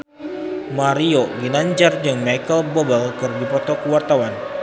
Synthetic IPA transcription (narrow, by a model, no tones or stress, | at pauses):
maɾioɡinaɲd͡ʒard͡ʒəŋmajkəlbɔbəlkərbipɔt̪ɔkəwart̪awan